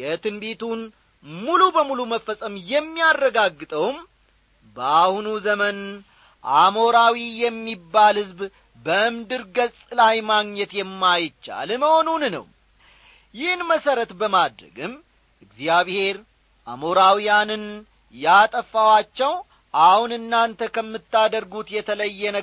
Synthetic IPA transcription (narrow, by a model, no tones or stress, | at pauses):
jɛt̪ʰɨnbet̪ʰun | mulubəmuluməfːəsʼəmjɛmːijarːəɡaɡːɨt̪ʼəwm | bəahunuzəmən | ʔamo̞ɾawijɛmːibːalhɨzb | bəʔɨmd̪ɨɾɡəsʼlajmaɡɲɛt̪jɛmːajɪt͡ʃːa̰lməho̞nunnə̰w | jɪhnməsəɾət̪bəmad̪ɾə̰ɡɨm | ʔɨɡzjaβhe̞ɾ | ʔa̰mo̞ɾawijanɨn | jat̪ʼəfːawat͡ʃːɛw | ʔahunɨnːant̪ʰəkʰəmːɨt̪ːad̪əɾɡut̪jɛt̪ʰələjːɛnə